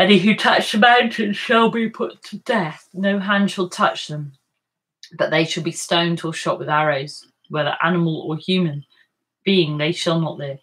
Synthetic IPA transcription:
ɛniɦʉtʰʌt͡ʃsəmãʊ̃ntʰɪ̃nʃəlˠbipʰʊtʰədɛθnoʊɦãnd̥ʃəlˠtʰʌt͡ʃðə̃m | b̥ʌʔðeɪʃəlˠbistõʊ̃ndʰəʃɒʔwɪðaɹoʊz̥ | wɛðə̰˞ʔa̰nəməlˠəhjʉːmə̃n | b̥iɪ̃ŋðeɪʃəlˠnəʔlɪv̥

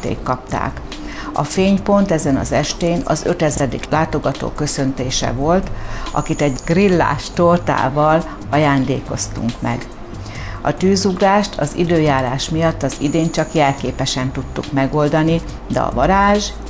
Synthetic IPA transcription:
t̪ḛːkːɒp̚t̪a̰ːk | ɒ̰feːɲpo̞nt̪ɛzɛnɒ̰zɛʃt̪eːnɒ̰zø̞t̪ɛzɛd̪ḭklʔaːt̪o̞ɡɒt̪o̰ːkø̞sø̞nt̪eːʃɛ̰vo̞lt̪ɒ̰kit̪ɛɟɡrilːa̰ːʃt̪ort̪a̰ːvɒl | ɒjaːnd̪ḛːko̞st̪ṵŋkmɛ̰ɡ | ɒt̪yːzuɡraːʃt̪ʰɒ̰zḭd̪øːjaːɾaːʃmijɒt̪ːɒzid̪eːɲt͡ʃɒkjɛlkeːpɛʃɛnt̪ut̪ːukmɛɡo̞ld̪ɒni | d̪ɛ̰ɒ̰vɒɾaːʒ

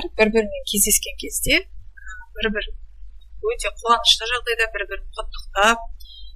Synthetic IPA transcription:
ɾb̥ɪɾbɪɾme̞ŋkʲʰe̞zd̪e̞skʲe̞ŋkʲʰe̞zd̪e̞əbɪɾbɪɾ | wɵt̪e̞qʰuwɑnəʃt̪əʒɑʁd̪ɑjd̪ɑbɪɾbɪɾqʰʊt̪ːə̥qt̪ɑp̚

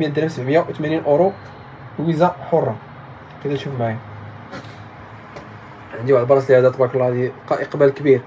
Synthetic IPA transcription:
mjæd̪ɾæsəbʕmjæwt̪mæninʔoɾo | wizæħorˤːɑ | kəd̪æt̪ʃufmæjæ | ʕənd̪iwʕd̪bɑɾˤɑslʕæd̪æt̪ˤbɑklˤːɑd̪iqɑʔəqbælkbiɾ

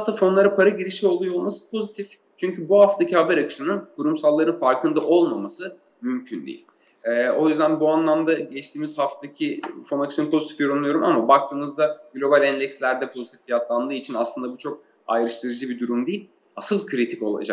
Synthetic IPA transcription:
at̪ʰafo̞nlˠaɾɯpʰaɾaɟiɾiʃio̞lˠujolˠmasɯ̥pʰo̞zit̪ʰif | t͡ʃʰyɲcʰybuhaft̪ʰacʰihabæɾakɯ̥ʃɯnɯnkʰuɾumsalˠːaɾɯnfaɾkɯnd̪aʔo̞lˠmamasɯ | mymcʰynd̪ḭjḭlʲ | ɛːojyzd̪ænbuanlˠamd̪aɟɛt͡ʃt̪iːmizhaft̪ʰacʰifo̞nakʰɯʃɯnɯnpʰo̞zit̪ʰifjʲeɾunˠujo̞ɾumʔa̰mabak̚t̪ʰɯːmɯzd̪aɡlʲo̞balʲɛnlʲɛcslʲæɾd̪ɛpʰo̞zit̪i̥ffijat̪lˠand̪ɯːit͡ʃʰinaslˠɯnd̪abut͡ʃʰo̞k̚ | a̰jɾɯʃt̪ʰɯɾɯd͡ʒɯbid̪uɾumd̪ijilʲ | asɯlˠkʰɾit̪ʰiko̞̰lˠa̰d͡ʒa̰k̚

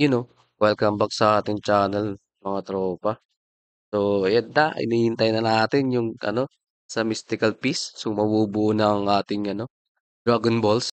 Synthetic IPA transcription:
jʊno | kɛlkɐmbɐk̚sɐʔaːt̪ɪŋt͡ʃaːnɛl | mɐŋat̪ɾoːpɐ | sojɐnt̪aɪ̰niːhɪnt̪ɐjnɐnaːt̪ɪnjʊŋʔɐ̰no̞ | sɐmɪst̪ɪkɐlpisːomɐbuːbuʔnɐŋʔaːt̪ɪŋʔɐno̞ | d̪ɾaɡʊnbols

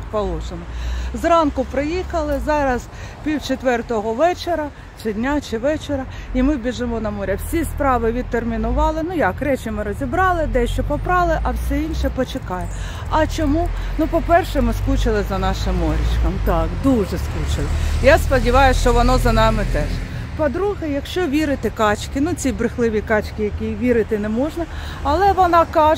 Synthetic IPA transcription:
pɔlˠɔʃɪmɔzrɑnkʊpɾɪjixɐlˠɪzɑɾɐzpʲiwt͡ʃet̪ʋɛrt̪ɔɦɔʋɛt͡ʃeɾɐ | t͡ʃɪdʲnʲat͡ʃɪʋɛt͡ʃeɾɐimɪwbʲiʒɪmɔnɐmɔɾʲɐwsʲispɾɑʋɪʋʲid̪̚t̪ːermʲinʊʋɑlˠɪnujɑkɾɛt͡ʃɪmɪɾɔzʲibɾɑlˠɪd̪ɛʃt͡ʃɔpɔpɾɑlˠɪʔɐwsʲɛinʃɛpɔt͡ʃekɑjɛ | ɐt͡ʃɔmu | nupɔpɛrʃɛmɪsklˠut͡ʃɪlˠɪzɐnɑʃɪmːɔɾʲɪt͡ʃkɐmt̪ɑkd̪uʒɛsklˠut͡ʃɪlˠɪjaspɔdʲiʋɑjʊʃt͡ʃɔʋɔnɔzɐnɑmɪt̪ɛʃ | pɔd̪ɾuɦɛjɐkʃt͡ʃɔʋʲiɾɪt̪ɪkɑt͡ʃkɪnut͡sʲibɾɪxlˠɪʋʲikɑt͡ʃkɪjɐkʲiʋʲiɾɪt̪ɪnɛmɔʒnɐ | ɐlˠɛʋɔnɑkɑ

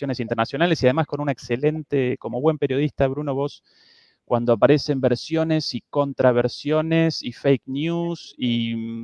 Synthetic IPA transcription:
jonesint̪eɾnasjo̞nale̞siað̞e̞masko̞nunaekse̞le̞nt̪e̞ko̞mo̞βwe̞mpeɾjo̞ð̞ist̪aβɾuno̞βo̞s | kwand̪oapaɾe̞se̞mbeɾsjo̞ne̞siko̞nt̪ɾaβeɾsjo̞ne̞sifejknjusi

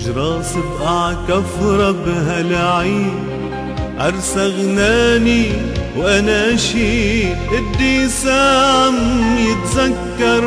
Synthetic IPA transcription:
ʒɾˤɑːsɪbʔaʕkafɾˤɑbɦalʕiːd | ʔɑɾˤsaɣnaːni | wʔanaʔʃiːʔɪd̪ːiːsaːʕamjɪt̪zakːɑɾˤ

